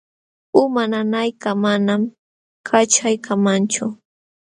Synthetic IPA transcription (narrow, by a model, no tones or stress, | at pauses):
ʊmananajkamanam | kʰat͡ʃajkʰamant͡ʃʊ